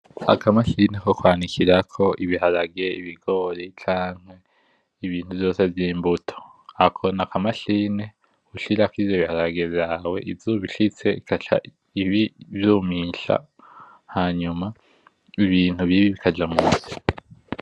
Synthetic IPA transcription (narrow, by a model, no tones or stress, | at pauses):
a̰kʰamaʃinekokwaːnikʰiɾakʰo̞ʔiβihaɾaɡe̞ḭβiɡo̞ːɾit͡ʃaːŋ̥hwe̞ | iβiːn̥huvjo̞ːse̞vjiːmbutʰo̥ | akʰo̞nakamaʃine | uʃiɾakiizjoβihaɾaɡevjaːwe̞̰ʔivzuβiʃit͡se̞ikʰat͡ʃa̰ | iβivjuːmiːʃa̰ | haɲuma | iβiːn̥huβiβiβikʰad͡ʒamuzi